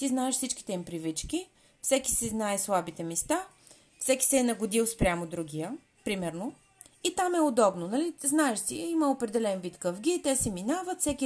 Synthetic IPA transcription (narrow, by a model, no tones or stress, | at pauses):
t̪iznaɛʃfsit͡ʃki̥t̪ɛimpɾivit͡ʃkʲi | fsɛki̥sɛznaɛslˠabit̪ɛmɛst̪a | fsɛki̥sɛːnɐɡʊd̪ilˠspɾʲjamod̪ɾuɡʲijə | pɾimɛɾno | it̪amɛod̪ɔbnonɐliznaɛʃsiiməopɾɛd̪ɛlɛnvit̪kəvɡʲit̪ɛsɛminavət̪fsɛkʲi